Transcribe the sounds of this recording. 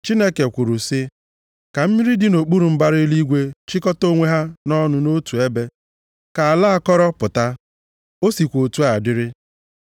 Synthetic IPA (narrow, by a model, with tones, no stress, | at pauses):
t͡ʃi˦ne˦ke˨kʷu˨ɾu˨sɪ˦ | ka˨m̩˦mi˦ɾi˦dɪ˦no˨k͡pu˦ɾu˨m̩˦ba˦ɾɪ˦li˦ɡʷe˦t͡ʃi˦kɔ˦to˦ŋʷe˦ɦa˦nɔ˦nʊ˨no˦tu˨e˦be˦ | ka˨a˨la˦a˨kɔ˦ɾɔ˦pʊ˨ta˦ | o˦si˨kʷo˨tu˨˦a˨dɪ˦ɾɪ˦